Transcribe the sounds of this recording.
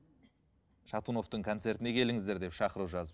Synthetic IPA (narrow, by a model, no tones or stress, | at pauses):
ʃɑt̪uno̞ft̪əɴkʰo̞nt̪se̞ɾt̪ɪne̞kʲʰe̞lɪŋɪzd̪e̞ɾd̪e̞pʃɑqəɾuwʒɑzə